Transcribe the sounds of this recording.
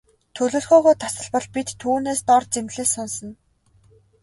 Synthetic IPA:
t̪ʰɵɮoːɮxɔːʁɔːt̪ʰasə̆ɮpɔ̆ɮpit̪ʰːuːneːst̪ɔrt͡semɮeːsɔnsɞ̆n

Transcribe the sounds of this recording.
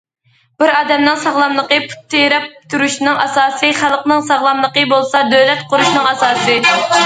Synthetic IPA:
b̥ɪɾɑːd̪ɛmnɨŋsɑʁlˠɑmlˠəqəpʰu̥t̪ʰːejɾɛp̚t̪ʰuɾuʃnɨŋʔɑsɑːsɨχælˠqnɨŋsɑʁlˠɑmlˠəqəbolˠsɑd̪øwlɛt̪̚qʊɾuʃnɨŋɑsɑːsɨ

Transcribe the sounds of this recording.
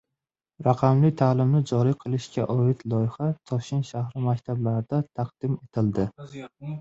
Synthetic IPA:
ɾaqʰɑmlɪt̪ʰaːlɪmnɪd͡ʒɒɾiqʰɨlˠɪʃkʲaʔɒɪt̪lˠɒjɪhat̪ʰɒʃɪnʃahɾɪmakʲt̪ʰablaɾɪd̪̥at̪ʰaqd̪̥ɪme̞t̪ʰɪld̪ɪ

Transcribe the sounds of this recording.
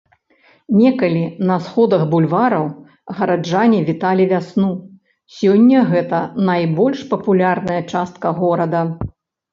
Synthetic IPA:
nʲɛkɐlʲinɐsxɔd̪ɐɣbulʲvaɾɐw | ɣɐɾad͡ʐanʲivʲit̪alʲivʲasnu | sʲɔnʲːɐɣɛt̪ɐnajbɔlʲʂpɐpulʲarnɐjɐt͡ʂast̪̚kɐɣɔɾɐd̪ɐ

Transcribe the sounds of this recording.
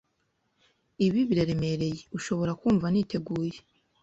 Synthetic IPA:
iβiβiɾaɾe̞me̞ɾe̞jeuʃo̞βo̞ɾakuːɱvanite̞ɡuːje

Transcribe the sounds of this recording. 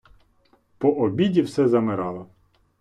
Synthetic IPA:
pɔʔɔbʲidʲiwsɛzɐmɪɾɑlˠɐ

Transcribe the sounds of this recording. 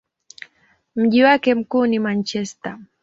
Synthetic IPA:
m̩ʄiwakɛm̩kunimant͡ʃɛsta

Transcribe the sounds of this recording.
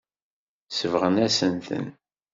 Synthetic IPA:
səvʁənæsənt̪ə̰n

